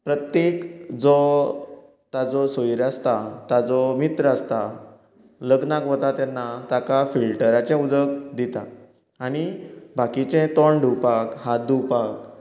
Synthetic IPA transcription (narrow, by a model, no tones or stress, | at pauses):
pɾət̪jekd͡zɔ | t̪ad͡zɔsojɾast̪at̪ad͡zɔmit̪ɾəast̪a | ləɡnakɦɔt̪at̪ɛnːat̪akafilʈəɾat͡ɕɛ̃ud̪əkd̪it̪aː | ɽ̃ibʱakit͡ɕɛ̃t̪ɔɳɖʱupakhad̪ʱupak